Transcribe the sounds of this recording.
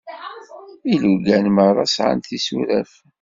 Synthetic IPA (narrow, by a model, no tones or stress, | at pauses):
iluɡænməɾˤɑsʕa̰nt̪isuɾæf